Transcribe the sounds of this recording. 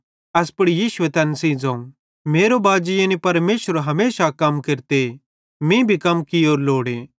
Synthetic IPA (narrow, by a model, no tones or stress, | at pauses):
ɐspɐɽijiːʃʊet̪ɛːnsẽːd͡zãːũ | meːɾobaːd͡ʒɪjẽnipɐɾmeːʃəɾɦɐmeːsakɐmkeɾt̪e | mĩbʱikɐmkioːɾloːɽẽ